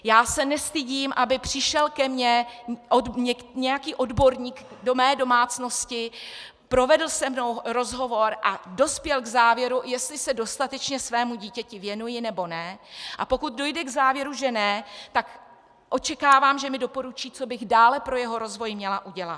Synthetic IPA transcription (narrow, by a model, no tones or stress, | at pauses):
jaːsɛnɛst̪ɪɟiːmʔabɪpr̝̥ɪʃɛlkɛmɲɛʔodɲɛɲɛjakiːʔo̞dbo̞ɾɲiːk | do̞mɛːdo̞maːt͡sno̞scɪ | pɾo̞vɛdl̩sɛmno̞wɾo̞zɦo̞vo̞ɾʔado̞spjɛlɡzaːvjɛɾujɛst̪lɪsɛdo̞st̪at̪ɛt͡ʃɲɛsvɛːmuɟiːcɛcɪvjɛnujɪnɛbo̞nɛʔapo̞kut̪̚do̞jdɛɡzaːvjɛɾuʒɛnɛt̪ak | ʔo̞t͡ʃɛkaːvaːmʒɛmɪdo̞po̞ɾut͡ʃiːt͡so̞bɪɣdaːlɛpɾo̞jɛɦo̞ɾo̞zvo̞jmɲɛlaʔuɟɛlat̪